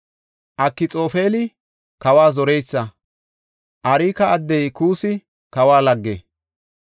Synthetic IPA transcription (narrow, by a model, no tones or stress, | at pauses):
ʔɐkːɪt͡sʼo̞ːfeːlɪ | kɐwaːzɔɾɛjsːɐ | ʔɐɾiːkɐːd̪ːɛjkuːsɪ | kɐwaːlɐɡːḛː